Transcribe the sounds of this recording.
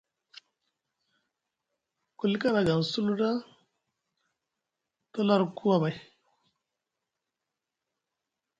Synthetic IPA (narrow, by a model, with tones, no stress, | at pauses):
ku˨lka˦na˨ɡa˨su˦lu˦da˦ | to˦la˦ɾkʰu˦a˦ba˨j